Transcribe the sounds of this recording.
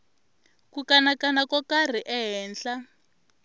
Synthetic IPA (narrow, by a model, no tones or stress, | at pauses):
kukanakanakɔkar̤iʔɛɦɛːnɬa